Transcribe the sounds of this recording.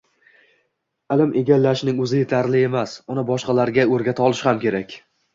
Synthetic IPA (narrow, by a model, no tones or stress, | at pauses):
ɪlɪmʔe̞ɡʲalːaʃnɪŋɵzɪje̞t̪ʰaɾlɪe̞masʊnɪbɒʃqɑlaɾɡʲaɵɾɡʲat̪ʰaɒlˠɪʃhamkʲe̞ɾakʲ